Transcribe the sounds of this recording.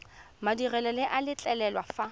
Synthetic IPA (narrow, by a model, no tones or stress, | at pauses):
madirɛlɔlɪʔalɪt͡ɬʼɛlɛlwafa